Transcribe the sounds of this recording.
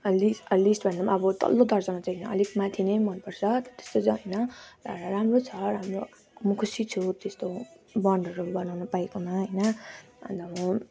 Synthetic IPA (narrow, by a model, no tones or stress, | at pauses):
ʌlisʌlisʈbʱʌndʌmaʌbʌt̪ʌ̰lːod̪ʌrd͡zʌnat͡saɦʌnʌʌ̰likmãt̪ʰinʌjmʌnpʌrt͡sʰʌt̪t̪e̥st̪ot͡saɦʌjnʌɾamrot͡sʰʌɾamro | mʌkʰusit͡sʰut̪est̪o | bʌɳɖʱʌɾubʌnawnʌpaekomaɦʌjnʌ | ʌ̰nd̪ʌmʌ